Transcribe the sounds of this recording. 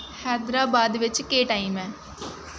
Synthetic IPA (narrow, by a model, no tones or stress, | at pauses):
hɛːd̪ɾaːbaːd̪ʋɪt͡ʃkeːʈaːimɛː